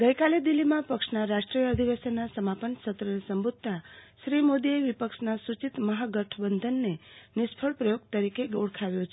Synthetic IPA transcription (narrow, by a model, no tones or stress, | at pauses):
ɡəjkaled̪ilːimãpəkʂnaɾaʃʈɾijəəd̪ʱiʋesənːasəmapənt͡ʃʰət̪ɾənesəmbud̪̚ʱt̪aʃɾimod̪ieʋipəkʂnasut͡ʃit̪məɦaɡəʈʰəbənd̪ʱənːenɪspʰəɭpɾəjoɡ̚t̪əɾikeɡoɽkʰaʋjot͡ʃʰ